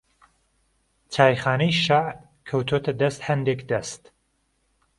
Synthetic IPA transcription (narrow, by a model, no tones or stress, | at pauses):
t͡ʃʰaːjχaːnɐjiʃaʕb | kʰɐwt̪ʰot̪ʰɐd̪ɐst̪hɐnd̪ekd̪ɐst̪